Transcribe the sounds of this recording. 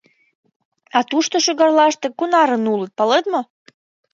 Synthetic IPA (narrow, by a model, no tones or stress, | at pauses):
ɑt̪uʃt̪oʃoɣɑrlɑʃt̪ekunɑɾənulət̪̚pɑlet̪mo